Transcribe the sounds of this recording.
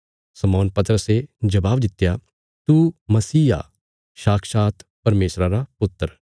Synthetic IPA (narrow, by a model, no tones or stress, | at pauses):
sɐmɔːnpɐt̪əɾəsed͡ʒɐbaːbd̪ɪt̪ːja | t̪umɐsiːa̰ | ʃaːkʰʃaːt̪pɐɾmeːsɾaɾapʊt̪ːəɾ